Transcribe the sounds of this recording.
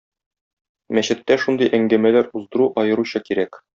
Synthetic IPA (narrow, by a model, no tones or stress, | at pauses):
mæɕɘ̆t̪ːæʃund̪ɤjʔæŋɡæmælæɾuzd̪ɤ̆ɾuʔɒjɤ̆ɾuɕɤkiɾæk